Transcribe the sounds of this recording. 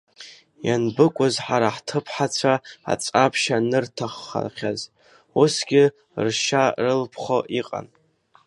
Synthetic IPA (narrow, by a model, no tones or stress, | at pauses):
ja̰nbɨkʷʼʊzħaɾaħtʰɨpʰħat͡sʷʰaa̰t͡sʼapʰʃanɨrtʰaχːa̰χʲaz | usɡʲɪ | rʃarɨlpʰχoʔiqʼa̰n